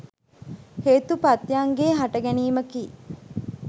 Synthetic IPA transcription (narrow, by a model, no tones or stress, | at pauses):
heːt̪upɐt̪jaŋɡeːɦɐʈɐɡæniːmɐkiː